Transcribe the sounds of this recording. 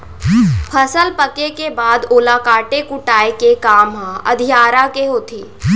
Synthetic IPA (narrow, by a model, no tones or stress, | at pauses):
pʰəsəlpəkekebaːd̪oːlaːkaːʈekʊʈaːekekaːmɦãɐ̰d̪ʱijaːɾakeɦoːt̪ʰeː